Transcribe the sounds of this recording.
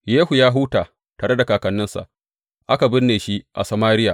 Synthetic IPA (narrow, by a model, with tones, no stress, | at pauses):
jeː˦hu˨jaː˦ɦuː˦taː˨ | taː˨ɽe˦da˨kaː˨kɐ˨nːɪ˦nsa̰˨ʔ | ʔa˦ka˨bɪ˦nːeː˨ʃi˦ʔa̰˨sa˨maː˦ɾɪ˦jaː˨